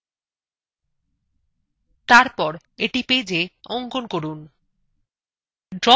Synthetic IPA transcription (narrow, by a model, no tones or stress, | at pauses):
t̪aɾpɔɾ | eʈiped͡ʑeɔŋkonkoɾun | ɖɾɔ